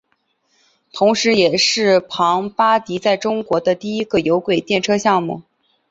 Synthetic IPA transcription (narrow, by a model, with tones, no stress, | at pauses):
t̪ʰʊ˧˥ŋʂɻ̩˧˥jɛ˨˩ʂɻ̩˥˩pʰɑ˧˥ŋpa˥t̪i˧˥t͡sa˥˩ɪʈ͡ʂʊ˥ŋkwɔ˧˥d̪ə˧t̪i˥˩i˥ɡə˨jo˧˥ʊkwe˨˩ɪt̪jɛ˥˩nʈ͡ʂʰɤ˥ɕjɑ˥˧ŋmu˥˩